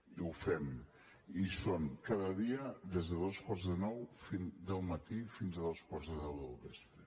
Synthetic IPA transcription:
iufɛm | isoŋkaðəðiəðezðəðoskwaɾrzðənɔwfind̪əlˠmət̪ifinzəðoskwaɾzðəðɛwðəlβespɾə

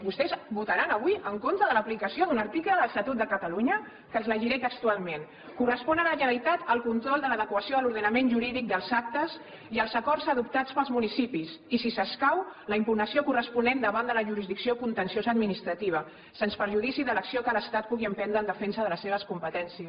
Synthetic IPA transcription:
bust̪ɛzbut̪əɾanəβ̞wiəŋkont̪ɾəðələplikəsioðunəɾt̪ikləðələst̪at̪ut̪̚d̪əkət̪əluɲə | kənzləʒiɾɛkək̚t̪ualˠmen | kurəspɔnənəʒəit̪at̪əlˠkunt̪ɾɔlˠd̪ələðəkwəsioaluɾðənəmenʒuɾiðik̚d̪əlˠzak̚t̪əs | iəlˠzəkɔrzəðup̚t̪at͡spəlˠzmunisipisisisəskawləimpunəsiokurəspunɛnd̪əβand̪ələʒuɾizðiksiokunt̪ənsionzəd̪minist̪ɾət̪iβ̞ə | senspəɾʒuðisiðələksiokələst̪at̪̚puɣiəmpɛnd̪ɾəːnəfɛnsəðələsːeβ̞əskumpət̪ɛnsiə

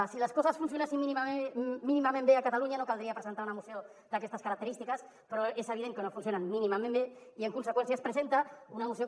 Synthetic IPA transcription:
siləskɔzɐsfunsjunasimminiminimamẽmbeakat̪aluɲanokald̪ɾiapɾəzent̪aɾunamuseo | d̪akɛst̪ɐskɐɾɐk̚t̪əɾist̪ikəs | pɾɔezeβ̞ið̞eŋkənofuns̬jonanminimamẽmbeiəŋkunsəkwensjaespɾəzent̪aunamuseo

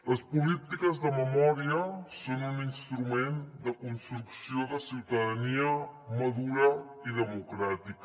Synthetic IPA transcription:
ləspulit̪ikəzðəməmɔɾiəsonuninst̪ɾumend̪əkunst̪ɾuksioðəsiwt̪əðəniəməðuɾə | iðəmukɾat̪ik

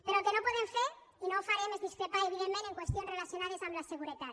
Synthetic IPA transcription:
peɾokenopwe̞ðeɱfeɾ | inofaɾjemezðiskɾepaeβiðemmeneŋkwest̪jonsrelaθjonaðesamlaseɣuɾet̪at̪

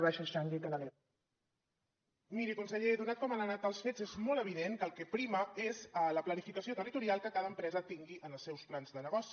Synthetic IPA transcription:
βɛʃəʃaŋɡit̪ələli | miɾikunsəʎeðunat̪̚kɔmənanat̪alˠsfezezmɔlˠəβ̞iðeŋkəlˠkɛpɾiməezələplənifikəsiot̪ərit̪uɾialˠkəkaðəmpɾɛzət̪iŋɡiʔənəlˠsɛwsplanzðənəɣɔsi

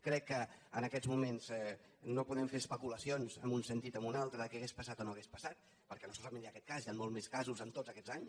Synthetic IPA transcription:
kɾɛkːəənəkɛd͡zmumenz̥ɛ | nopuðɾɛmfeɾəspəkuləsionzə̰mbunsənt̪it̪əmbunalˠt̪ɾəðəkɛəɣespəsat̪onoəɣespəsat̪̚ | pəɾkɛnosɔlˠt̪əmẽniakɛt̪̚kazianmolˠmeskazuzəmt̪od͡zəkɛd͡zaɲ

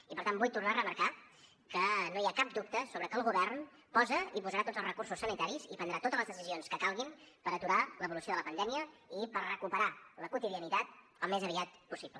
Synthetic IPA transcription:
ipəɾt̪ambujt̪urnaərəməɾka | kənoiakab̚d̪up̚t̪əsoβɾəkəːlˠɣuβɛrn | pɔzəipuzəɾat̪odd͡zəlˠzrəkursusːənit̪aɾizipənd̪ɾat̪ot̪əzləzðəsizionskəkalˠɣimpəɾət̪uɾaləβulusioðələpənd̪ɛmiəipərrəkupəɾaləkut̪iðiənit̪at̪̚ | əlˠmezəβiat̪pusiblə

